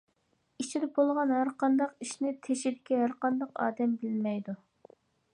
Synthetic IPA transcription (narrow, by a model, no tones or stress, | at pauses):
it͡ʃʰid̪ɛbolˠʁɑnɦæɾqɑnd̪ɑqiʃnɪt̪ʰeʃid̪ɪkʲɛɦæɾqɑnd̪ɑqɑ̰ːd̪ɛmbɪlmɛjd̪u